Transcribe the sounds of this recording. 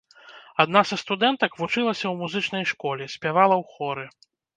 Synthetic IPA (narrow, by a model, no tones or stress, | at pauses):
ad̪nasɐst̪ud̪ɛnt̪ɐkvut͡ʂɨlˠɐsʲɐwmuzɨt͡ʂnɐjʂkɔlʲɛsʲpʲavalˠɐwxɔɾɨ